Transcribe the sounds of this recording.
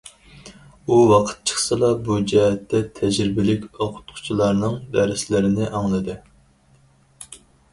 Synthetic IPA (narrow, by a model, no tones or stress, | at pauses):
uwɑqʰə̥t̪̚t͡ʃʰə̥χsɨlˠɑbud͡ʒɛɦɛt̪ːɛt̪ʰɛd͡ʒɾɪbɪlɪkʲoqʰʊ̥t̪qʰʊ̥t͡ʃʰilˠɑɾnɨŋd̪æɾɪslɪɾɪnɪʔɑŋlˠɨd̪ɨ